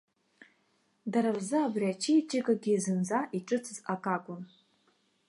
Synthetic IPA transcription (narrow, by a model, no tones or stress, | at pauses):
daɾarzɨabriat͡ʃʰiit͡ʃʼɪɡʼaɡʲizɨnzaʔiʈ͡ʂʼɨt͡sʰɨzakʼakʷʼʊn